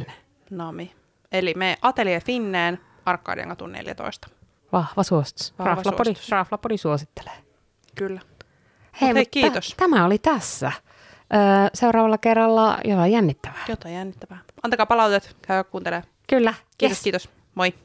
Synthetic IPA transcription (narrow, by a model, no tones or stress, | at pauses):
e | nɑmi | elimeːʔɑt̪eliefinːeːn | ɑrkːɑ̰ːdḭḛŋɡɑt̪ṵnnḛljæ̰t̪o̰ist̪ɑ̥ | ʋɑhʋɑsuost̪rɑflɑodirɑflɑpodisuosit̪ːe̥le̥ː | kylːæ | heimutkiːost̪æmæolit̪æsːæ | ʔəːseuɾɑːʋɑlːɑkerːɑlːɑ̰jot̪ɑijænːit̪ːæʋæːot̪ɑjænːit̪ːæʋæʔɑnt̪ɑkɑːpɑlɑut̪et̪kæyʋækkuːnt̪eleː | kylːæ | iːt̪skiːt̪os | moi